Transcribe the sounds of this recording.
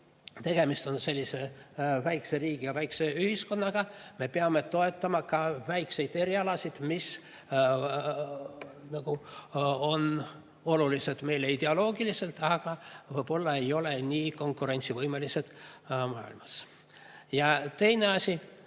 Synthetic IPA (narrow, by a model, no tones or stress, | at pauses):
t̪e̞ɡ̥e̞mist̪o̞nse̞lʲːise̞væjkse̞ɾiːɡ̥ijɑvæjkse̞yhisko̞nːɑɡ̥ɑme̞peɑme̞t̪o̞e̞t̪ˑːɑmɑkɑvæjkse̞jd̪̥e̞ɾiɑlɑsid̪̥mis | nɑɡ̥u | o̞n | o̞lulise̞d̪̥me̞jleid̪̥e̞olo̞ːɡ̥ilise̞lt̪ɑɡ̥ɑvɤjb̥o̞lːɑe̞jo̞le̞niːko̞ŋkˑuɾe̞nʲt̪sivɤjmelise̞d̪̥mɑːḭlmɑs | jɑt̪e̞jne̞ɑsʲi